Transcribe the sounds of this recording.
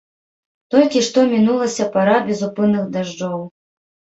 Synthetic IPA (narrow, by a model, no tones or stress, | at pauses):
t̪ɔlʲkʲiʂt̪ɔmʲinulˠɐsʲɐpaɾabʲɛzupɨnːɨxd̪aʐd͡ʐɔw